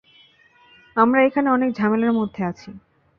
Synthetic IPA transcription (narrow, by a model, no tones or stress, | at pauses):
amɾaekʰaneɔnek̚d͡ʑʱamelaɾmod̪ʱːeat͡ɕʰi